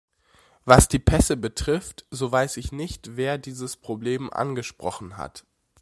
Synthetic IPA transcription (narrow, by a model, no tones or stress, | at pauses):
vasd̥iːpʰɛsəbətʁ̥ɪftzoːvaɪsɪçnɪçtv̥eːɐdiːzəspʁ̥obleːmʔa̰nɡəʃpʁ̥ɔχn̩ha̰t